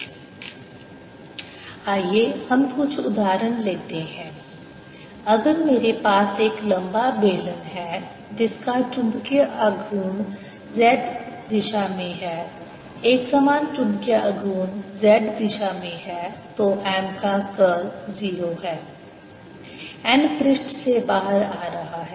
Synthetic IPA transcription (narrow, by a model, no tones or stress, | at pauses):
aːjeːhɐmkʊt͡ʃʰʊd̪aːɾənleːt̪eɦɛ̃ː | ɐɡəɾmeːɾepaːseːklɐ̃mbabeːlə̃ŋɦɛ | d͡ʒɪskaʈʊ̃mbkjaʔɐɡʱuːn | zɛːɖd̪ɪʃamẽɦɛː | eːksamaːnʈʊ̃mbkjaʔɐɡʱuːnzɛːʈd̪ɪʃamẽɦɛt̪oʔɛːmkakəziːɾoɦɛː | ɛːnpfʰɾɪʃʈsebaːɦəɾaːɾɐɦaɦɛː